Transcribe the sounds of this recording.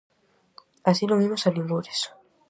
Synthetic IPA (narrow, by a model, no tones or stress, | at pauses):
asiloβimosalimɡuɾes